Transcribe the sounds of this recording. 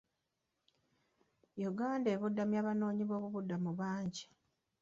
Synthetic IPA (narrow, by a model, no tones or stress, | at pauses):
juɡaːnde̞ːβudːamjaβano̞ːɲiβo̞ːβuβudːamuβaːɲɟi